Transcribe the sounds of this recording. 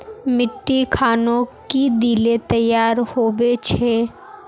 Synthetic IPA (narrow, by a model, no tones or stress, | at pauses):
mɪʈːikʰaːnõkid̪iːlet̪ɐjːaːɾhoːbet͡ʃʰeː